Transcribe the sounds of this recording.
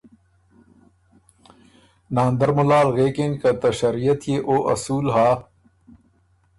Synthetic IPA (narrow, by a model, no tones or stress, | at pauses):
naːnd̪ɐɾmʊlaːlɣeːkeŋkɐt̪ɐʃɐɾijɐt̪jeːʔoːʔɐ̰suːlɦaː